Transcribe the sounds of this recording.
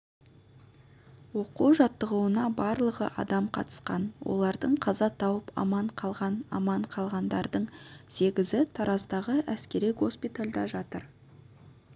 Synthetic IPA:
wo̞quwʒɑt̪ːəʁuwənɑbɑɾlˠəʁəʔɑ̰d̪ɑmqʰɑt̪ə̥sqɑ̰nwo̞̰lˠɑɾd̪əɴqʰɑzɑt̪ʰɑwəpɑ̰mɑɴqʰɑlˠʁɑnɑ̰mɑɴqʰɑlˠʁɑnd̪ɑɾd̪əɴse̞ɡʲɪzɪt̪ʰɑɾɑst̪ɑʁəʔæskʲe̞ɾijɡo̞spijt̪alʲd̪ɑʒɑt̪əɾ

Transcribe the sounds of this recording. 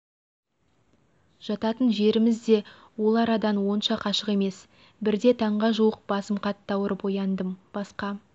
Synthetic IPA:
ʒ̥ɑt̪ɑt̪ənʒe̞ɾɪmɪzd̪e̞ | wo̞lˠɑɾɑd̪ɑnwo̞nʃɑqʰɑʃəqe̞me̞s | bɪɾd̪e̞t̪ʰɑɴʁɑʒuwəq̚b̥ɑsəmqʰɑt̪ːɑwəɾəpo̞jɑnd̪əmb̥ɑsqɑ

